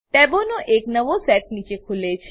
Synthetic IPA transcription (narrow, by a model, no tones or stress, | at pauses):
t̪ɛʋonoʔeknəʋosɛʈ̚nit͡ʃekʰulet͡ʃʰ